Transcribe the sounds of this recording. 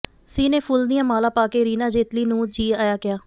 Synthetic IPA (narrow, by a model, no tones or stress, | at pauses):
siːnẽːpʰʊld̪ɪjãːmaːlaːpaːkeːɾiːnãːd͡ʒeːt̪liːnũːd͡ʒiːaːjaːkɪaː